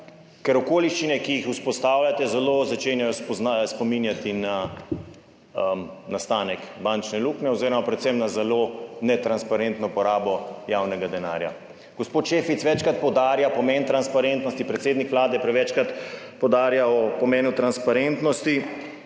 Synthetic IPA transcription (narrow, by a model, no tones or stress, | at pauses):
kɛɾɔkoːliʃt͡ʃinɛkijixuspɔst̪aːwljat̪ɛzɛlozat͡ʃenjajɔspzaspɔminjat̪ina | nast̪aːnɛkbant͡ʃnɛluknɛɔziːɾɔmapɾɛt̪sɛmnazɛlonɛt̪ɾanspaɾent̪nɔpɔɾaːbɔjawnɛɡad̪ɛnaːɾja̰ | ɡ̥ɔspoːt̪ʃeːfit̪sʋɛt͡ʃkɾat̪̚pɔwd̪aːɾjapɔmɛnt̪ɾanspaɾent̪nɔst̪ipɾɛt̪seːd̪nikʋlaːd̪ɛpɾɛʋɛt͡ʃkɾat̪pɔwd̪aːɾjaɔpɔmeːnut̪ɾanspaɾent̪nɔst̪i